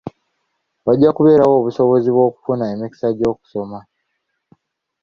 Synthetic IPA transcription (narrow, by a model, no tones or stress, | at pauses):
waɟːakuβe̞ːɾawo̞ːβuso̞βo̞ziβwo̞ːku̥funaemiki̥saɟo̞ːku̥so̞ma